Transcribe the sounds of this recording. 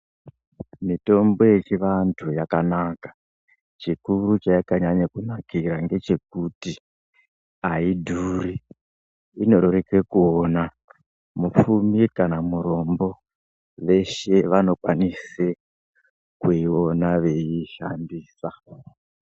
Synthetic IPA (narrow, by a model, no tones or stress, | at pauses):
mito̞mbo̞je̞t͡ʃiʋantʰujakanakḁ | t͡ʃikuɾut͡ʃaakaɲaɲakunakiɾaŋɡe̞t͡ʃe̞k̚uti | aidʱuriː | no̞ɾoɾekekuona | mup͡fumikanamuɾo̞mbo̞ | ʋe̞ʃe̞ʋano̞kwanise | kuio̞naʋe̞iʃandiːsa